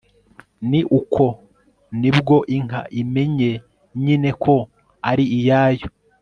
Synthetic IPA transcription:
niʔukʰo̞ | nibɡo̞ʔiŋ̥a̰ʔime̞ɲe̞ | ɲine̞kʰo̞ | aɾiijaːjo

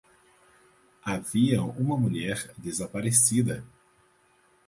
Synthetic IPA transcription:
aviɐũmɐmuʎɛɾd̪ezapaɾesid̪ɐ

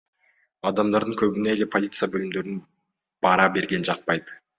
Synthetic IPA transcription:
ɑd̪ɑmd̪ɑɾd̪əŋkʲʰɵbineːle̞pʰo̞lʲit̪sɨjabølɪmd̪øɾɪn | b̥ɑɾɑbe̞ɾɡʲe̞nd͡ʒɑq̚pɑjt̪

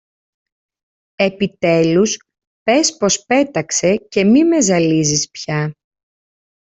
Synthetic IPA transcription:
e̞pit̪e̞lus | pe̞spo̞spe̞t̪ɐkse̞ce̞mime̞zɐlizispçɐ

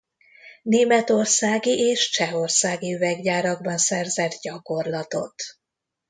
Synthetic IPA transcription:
neːmɛt̪o̞rsaːɡiʔeːʃt͡ʃɛɦo̞rsaːɡiyvɛɡɟaːɾɒɡbɒnsɛrzɛd̪ɟɒko̞rlɒt̪o̞̰t̪

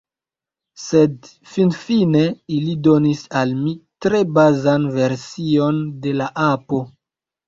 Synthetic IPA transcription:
se̞d | finfine̞ilido̞nisalmitɾe̞bazanve̞ɾsio̞nde̞laʔapo̞

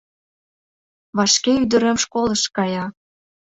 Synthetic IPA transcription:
βɑʃkeyd̪ə̆ɾĕmʃkoləʃkɑjɑ

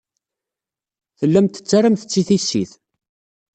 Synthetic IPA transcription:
θəlːæmt̪ə̥t͡sːaɾəmθə̥t͡sːiθisːḭθ

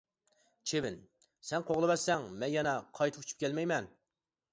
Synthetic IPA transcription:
t͡ʃʰevɪn | sɛnqʰoʁlˠɨbɛsɛŋmɛnjɑnɑqʰɑjt̪ʰɨ̥pʰu̥t͡ʃʰy̥p̚kʲʰɛlmɛjmɛn

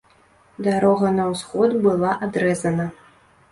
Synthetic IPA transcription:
d̪aɾɔɣɐnɐwsxɔd̪bɨlˠaʔad̪ɾɛzɐnɐ

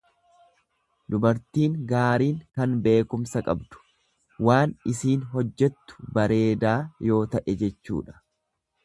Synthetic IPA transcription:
d̪ʊbɐɾt̪iːŋɡaːɾiːŋkɐnbe̞ːkʊmsɐkʼɐ̰bd̪̥ʊ̥ | waːnɪsiːnɦɔd͡ʒːɛt̪ːʊ̥bɐɾe̞ːd̪aːjo̞ːt̪ɐʔɛd͡ʒɛt͡ʃːṵːᶑɐ̥

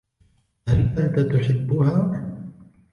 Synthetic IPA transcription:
alːat̪at̪ʊħɪbːʊhaː

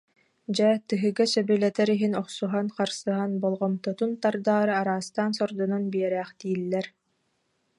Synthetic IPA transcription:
d͡ʑɛt̪ɯɦɯɡasœbylɛt̪ɛɾiɦinɔχsuɦanqaɾsɯɦanbɔlˠʁɔmt̪ɔt̪unt̪aɾd̪aːɾɯaɾaːst̪aːnsɔɾd̪ɔnɔnbiɛɾæːχt̪iːlːɛɾ

